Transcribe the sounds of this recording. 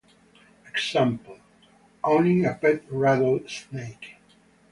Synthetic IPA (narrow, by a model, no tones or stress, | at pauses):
ɨɡsæ̃mpl̩ˠ | ʔõʊ̃nɪ̃ŋɨbɪt̚ɹædəlsneɪk